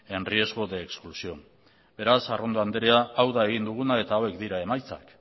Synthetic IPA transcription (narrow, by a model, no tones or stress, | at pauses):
e̞nrie̞zɣo̞ðe̞ːksklusio̞ | be̞ɾasaro̞nd̪oand̪eɾeaawðae̞ɣ̞ind̪uɣ̞unae̞t̪aoe̞kd̪iɾae̞majt͡sa̰k